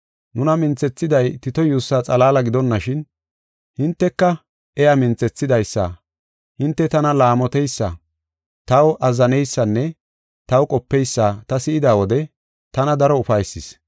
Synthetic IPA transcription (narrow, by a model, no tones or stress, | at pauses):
nʊnɐmɪnt͡sɛt͡sːɪd̪ɐjt̪ɪt̪ɔjuːsːaːt͡sʼɐlaːlɐɡɪd̪ɔnːɐʃɪn | hɪnt̪ːɛkːɐ | ɛjɐmɪnt͡sɛt͡sːɪd̪ɐjsːɐ̰ | hɪnt̪ːɛt̪ɐnɐlaːmɔt̪ɛjsːɐ | t̪ɐwʔɐzːɐnɛjsːɐnːɛ | t̪ɐwkʼɔpːɛjsːaːt̪ɐsɪʔɪd̪aːwɔd̪ɛ | t̪ɐnɐd̪ɐɾɔʊfɐjsːɪs